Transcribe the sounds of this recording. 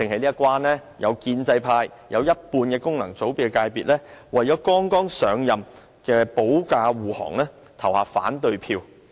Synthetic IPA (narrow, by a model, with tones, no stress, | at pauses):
t͡sɪ˨ŋhɐ˨jliː˥ɐ˥kʷwaː˥nlɛː˥ | jɐ̰˨˧wkiː˧nt͡sɐ˧jpʰaː˧j | jɐ˨˧wjɐ˥t̚puː˧nkɛː˧kʊ˥ŋnɐ˨˩ŋt͡so˨˥wpi˨˧ɛ˧kaː˧jpiː˨t̚lɛː˥wɐ˨jt͡ʃɔː˨˥kɔː˥ŋkɔː˥ŋsœː˨˧ŋjɐ˨m | kɛː˧po˨˥wkaː˧wuː˨˩hɔ̰ː˨˩ŋlɛː˥ | t̪ʰɐ˨˩whaː˨fa̰ː˨˥nt̪ɵ˧ɥpʰiː˧w